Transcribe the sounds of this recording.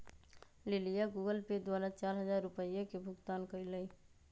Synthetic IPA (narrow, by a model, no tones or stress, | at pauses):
lelijaɡuːɡəlped̪waːɾat͡ʃaːɾɦəzaːɾːʊpəjẽkebʱʊɡt̪aːnkəiləi